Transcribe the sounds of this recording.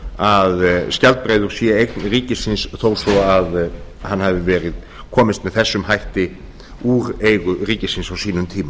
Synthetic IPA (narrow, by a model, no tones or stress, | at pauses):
aðscalt̪̚pɾeːjðʏɾ̥sjɛejknriːcɪsɪnsθowsɔaðhanːhavɪvɛːɾɪð | kʰɔːmɪst̪mɛðθɛsːʏmɦajht̪ɪ | uːɾejɣʏriːcɪsɪnsawsiːnʏmt̪ʰiːma